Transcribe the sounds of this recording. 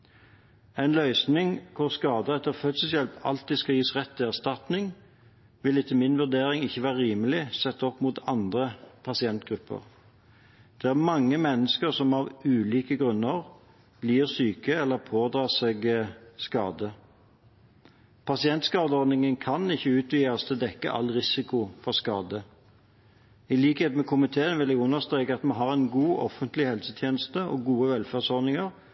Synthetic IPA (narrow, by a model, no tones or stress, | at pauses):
ɛɪnlœʏsnɪŋkʰʊʁskɑːd̪əɛt̪ːəʁfœt̪səsjɛlpɑ̰lt̪̚d̪ɪskɑjiːsʁɛt̪ʰːɪæʁst̪ɑt̪nɪŋ | ʋɪlɪt̪ʰːəmɪnʋʉʁd̪eːɾɪŋɪçːəʋæːʁəɾiːməlɪsɛt̪ːəɔpːmuːt̪ʰɑnd̪ʁəpʰɑsɪɛnt̪ɡʁʉpʰːə̰ʁ | d̪̥ɛæʁmɑŋːəmɛnːəskəʁsɔmɑʋʉːliːkəɡʁʉnːəʁ | b̥liːʁsyːkəɛlːəʁpʰoːd̪ɾɑːsɛɡskɑ̰ːd̪ə | pʰɑsɪɛnt̪skɑːd̪əɔʁd̪nɪŋənkʰɑnɪçːəʉːt̪ʋyːɑst̪ɛd̪ɛkːə̰ʔɑ̰lːʁɪsɪkʊfɔʁskɑːd̪ə | ɪliːkheːt̪mɛkʰʊmɪt̪ʰeːənʋɪlæɡʉnːəst̪ʁeːkəɑt̪mɑnɦɑʁɛnɡuːʔɔfənt̪lɪhɛlsət̪ʰjeːnəst̪əɔɡuːəʋɛlfæːʁsɔʁd̪nɪŋəʁ